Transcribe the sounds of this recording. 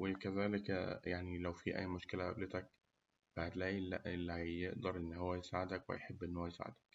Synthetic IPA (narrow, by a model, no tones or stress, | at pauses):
wɪkæzæːlɪkjaʕnilæwfiːʔæ̰ːjːmoʃkɪlæʔæ̰bleɪt̪æk̚ | b̥aʕd̪læːlːæʔelːihæjjeʔd̪ɑɾˤʔenːhowːæjsaːʕɪd̪ækwehæ̰jħebːʔenːhowːæjsa̰ʕḛd̪æk